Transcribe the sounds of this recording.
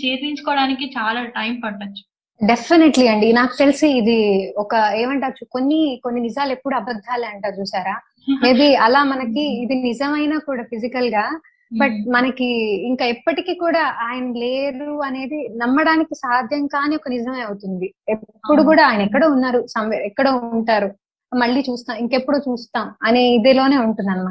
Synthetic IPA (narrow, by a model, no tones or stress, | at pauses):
t͡ʃeːɾiɲt͡ʃu̥kɔːɽaːnikit͡ʃaːlaːʈɐjmpɐʈːɐt͡ʃːu̥ | ɖe̞pʰːineʈliɐɳɖinaːku̥t̪elisiːd̪iɔkɐe̞ːmɐɳʈaːt͡ʃːuko̞nːikonːinid͡ʒaːluepːuɽuɐbɐd̪ʱːaːleːɐɳʈaːt͡ʃuːsaːɾaː | eːd̪iɐlaːmɐnɐkiːd̪inid͡ʒɐmɐjnaːkuːɽaːpʰid͡ʒikɐlɡaː | bɐʈ̚mɐnɐkiːŋkaːɛpːɐʈikiːkuːɽaːʔaːjɐnɐle̞ːɾuɐne̞ːd̪inɐmːɐɽaːnikisaːd̪ʱjɐŋkaːniːɔkɐnid͡ʒɐmɐjɐwut̪und̪iepːuɽukuːɽaːaːjɐnɐɛkːɐɽeːunːaːɾusɐmɛkːɐɽeːuɳʈaːɾu | mɐɭːiːt͡ʃuːst̪aːmiŋke̞pːuɽuːt͡ʃuːst̪aːmɐniid̪ilo̞ːne̞ːuɳʈunːaːnumaː